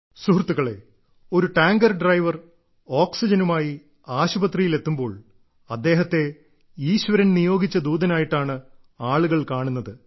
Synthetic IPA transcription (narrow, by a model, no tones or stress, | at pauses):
suɦrt̪ːuɣɐɭe̞̰ | o̞ɾuʈaːŋɡɐrɖrɐjʋɐr | o̞ːksid͡ʑɐnumaːji | aːɕubɐt̪rijile̞t̪ːumbo̞ːɭ | ɐd̪ːe̞ːɦɐt̪ːe̞ | iːɕʋɐɾɐnnijo̞ːɡit͡ɕːɐd̪uːd̪ɐnaːjiʈːaːɳɨ | aːɭuɣɐɭkaːɳunːɐðɨ